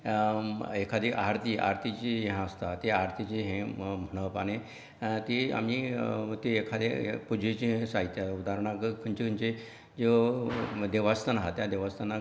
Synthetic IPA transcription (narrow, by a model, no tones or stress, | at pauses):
ekʰad̪eʔaɾt̪iʔa̰ɾt̪it͡ɕijɦãəst̪at̪eaɾt̪ʰit͡ɕiɦẽm̤əɽ̃əʋpañe | t̪ea̰m̤it̪eːkʰad̪epud͡ʑʱet͡ɕiɦẽsaɦit̪jaud̪aɾɳ̃akkʰəɲt͡ɕekʰənt͡ɕe | d͡ʑe | d̪eʋast̪ənaɦat̪jad̪eʋast̪əna